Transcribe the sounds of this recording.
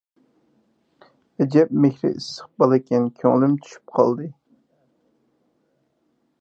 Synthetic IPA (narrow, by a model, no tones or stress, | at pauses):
ɛd͡ʒɛp̚mɪkʲɾɪ̰isːə̥q̚bɑlˠɨkʲʰɛnkʲʰøŋlɪmt̪ʰy̥ʃy̥p̚qʰɑ̰lˠd̪ɨ